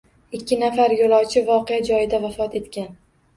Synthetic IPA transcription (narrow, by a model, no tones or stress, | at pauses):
ɪkʲʰːɪnafaɾjolˠɒwt͡ʃʰɪvɒqejad͡ʒɒjɪd̪avafɒt̪e̞t̪kʲan